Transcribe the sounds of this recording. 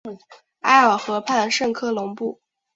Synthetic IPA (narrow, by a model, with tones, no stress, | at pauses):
a˥ɪə˨˩xɤ˧˥pʰa˥˧nʂɤ˥˧ŋkʰɤ˥˩lʊ˧˥ŋpu˥˩